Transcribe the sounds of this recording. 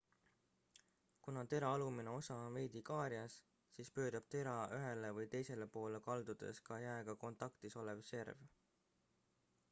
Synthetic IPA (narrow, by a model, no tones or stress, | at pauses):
kunɑt̪e̞ɾɑɑlumine̞o̞sɑve̞jd̪ikɑːɾjɑs | siːspø̞ːd̪̥ɑb̥̚t̪e̞ɾɑʔyɦe̞levɯjt̪e̞jse̞le̞po̞ːlekɑld̪ud̪̥e̞̰skɑjæeɡ̥ɑko̞nt̪ˑɑkt̪iso̞levse̞rv